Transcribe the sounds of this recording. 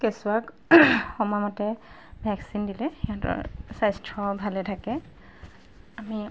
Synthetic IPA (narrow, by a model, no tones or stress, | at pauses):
kesʊak | xɔmɔmɔtɛ | bʱɛksindilɛxiɔtɔ̰ɹsajstʰɔbʱalɛtʰakɛ | ami